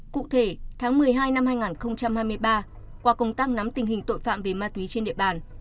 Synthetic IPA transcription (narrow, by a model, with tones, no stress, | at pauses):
kṵ˧˨t̪ʰe˧˩t̪ʰaː˨˦ŋmɨ˨˩əjɦaː˧jna˧mhaː˧jŋaː˨˩nxə˧wŋ͡mt͡ɕa˧mhaː˧jmɨ˧əjɓaː˧ | kwaː˧kə˧˨˩wŋ͡mt̪aː˧ŋ̚na˨˦mt̪ï˨˩ŋ̟ɦï˨˩ŋ̟t̪o̰˧˨jfa̰ː˧˨mve˨˩maː˧t̪wi˨˦t͡ɕe˧nɗḭ˧˨ə˨ɓaː˨˩n